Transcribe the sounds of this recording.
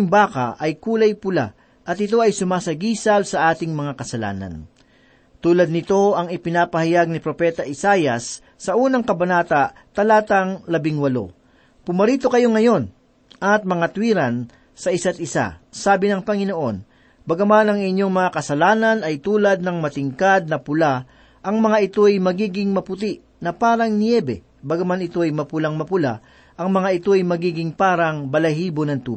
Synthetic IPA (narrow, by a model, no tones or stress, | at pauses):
ŋbaːkɐ̰ʔɐjkuːlɐjpʊla̰ | ʔɐt̪ɪt̪̬o̞ʔɐjsʊmaːsɐɡiːsɐlsɐʔaːt̪ɪŋmɐŋakɐsɐla̰ːnɐ̰n | t̪uːlɐd̪nɪt̪o̞ɐŋɪpɪnaːpɐhɐjaɡ̚nɪpɾo̞pɛt̪ɐʔɪsaːjɐsː | ɐuːnɐŋkɐbɐnaːt̪ɐʔ | t̪ɐlaːt̪ɐŋlɐbɪŋwɐlo̞̰ | pʊmɐɾiːt̪o̞kɐjo̞ŋɐjo̞n | ʔɐt̪̚mɐŋat̪wiːɾɐn | sɐʔɪsat̪̚ʔɪsa̰saːbɪnɐŋpɐŋɪno̞ʔo̞n | bɐɡɐmanɐŋɪɲːo̞ŋmɐŋakɐsɐlaːnɐnɐjt̪uːlɐd̪̚nɐŋmɐt̪ɪŋkad̪̚nɐpʊla | ʔɐŋmɐŋaʔɪt̪o̞jmɐɡiːɡɪŋmɐpʊt̪iʔ | nɐpaːɾɐŋnjɛːbɛ̰ | bɐɡɐmanɪt̪o̞ɐjmɐpʊlaŋmɐpʊla̰ | ʔɐŋmɐŋaʔɪt̪o̞ɐjmɐɡiːɡɪŋpaːɾɐŋbɐlɐɦiːbonɐŋt̪ṵ